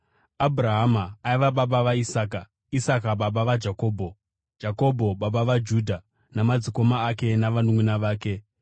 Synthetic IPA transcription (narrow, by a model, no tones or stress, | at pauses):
abʱraɦamaːiʋaɓaɓaʋaisaːka | isakaɓaɓaʋad͡ʒako̞ːbʱo̞ | d͡ʒako̞bʱo̞ɓaɓaʋad͡ʒudʱa | namad͡ziko̞maːk̬e̞naʋanumwunaʋaːke̞